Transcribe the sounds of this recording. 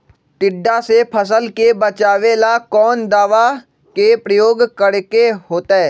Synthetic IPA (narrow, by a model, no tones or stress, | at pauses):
ʈɪɖːasepʰəs̬əlkebət͡ʃaːʋelakɔːnd̪aːʋa | kepɾəjoːɡkəɽkeɦoːt̪aɛː